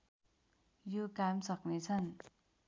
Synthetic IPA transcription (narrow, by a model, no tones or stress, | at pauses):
jukamsʌk̚nit͡sʰʌn